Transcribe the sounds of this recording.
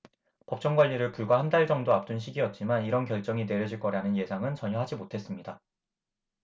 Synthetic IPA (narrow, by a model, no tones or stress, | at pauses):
pʌp̚t͡ɕ͈ʌŋɡwaʎːiɾɯɭkuɭɡwahandaɭd͡ʑʌŋdoap̚t͈unɕ̬ʰiɡiʌt̚t͡ɕ͈imaniɾʌnkjʌɭt͡ɕ͈ʌŋine̞ɾjʌd͡ʑiɭk͈ʌɾanɯnje̞sʰaŋɯnt͡ɕʌɲʌɦad͡ʑimotʰe̞s͈ɯmɲida